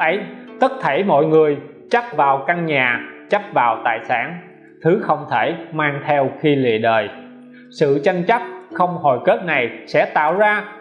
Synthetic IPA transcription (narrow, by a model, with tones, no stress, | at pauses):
ʔə˨˦jt̪ə˦˥t̚t̪ʰe˧˩jmɔ̰˧˨jŋɨ˨˩əj | t͡ɕa˦˥p̚vaː˨˩wka˧ŋɲaː˨˩t͡ɕa˦˥p̚vaː˨˩wt̪a̰ː˧˨jsa̰ː˧˥˩n | t̪ʰɨ˨˦xə˧wŋ͡mt̪ʰe˧˩maː˧ŋt̪ʰɛ˧wxi˧lḭ˧˨əɗəː˨˩j | sɨ̰˧˨t͡ɕa˧ŋt͡ɕa˦˥p̚xə˧wŋ͡mho˨˩jke˦˥p̚na˨˩jsɛ̰˧˥t̪a̰ː˧˨wzaː˧